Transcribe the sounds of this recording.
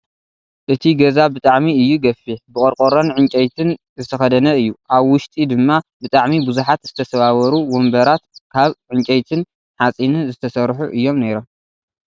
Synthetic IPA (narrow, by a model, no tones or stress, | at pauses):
ʔɨt̪ʰiɡɐzabɨt̪ʼaʕmiɨjːuɡɐfːiħbɨkʼɐɾkʼoɾonʕɨnt͡ʃʼɐjt̪ʰɨn | zɨt̪ʰɐxɐd̪ɐnɐɨjːuʔaβwʊʃt̪ʼid̪ɨmːabɨt̪ʼaʕmibuzuħat̪z̥ɨt̪ʰɐsɐβawɐɾuwombɐɾat̪kʰaβʕɨnt͡ʃʼɐjt̪ʰɨn | ħat͡sʼinɨnzɨt̪ʰɐsɐɾħuʔɨjːo̞mneɾo̞m